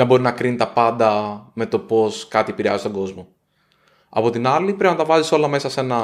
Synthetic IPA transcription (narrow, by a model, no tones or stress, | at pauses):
nɐbo̞ɾinɐkɾinit̪ɐpɐnd̪ɐme̞t̪o̞po̞skɐt̪iepiɾiɐzt̪o̞ŋɡo̞zmo̞ | ɐ̰po̞t̪inɐlipɾepinɐt̪ɐvɐziso̞lɐme̞sɐse̞nɐ